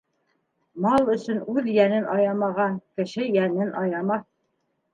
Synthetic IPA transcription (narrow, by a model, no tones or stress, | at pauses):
mɑlˠɵ̆sɵ̆nʉðjænɘnʔɑjɑmɑʁɑkɘ̆ʃɘjænɘnʔɑjɑmɑθ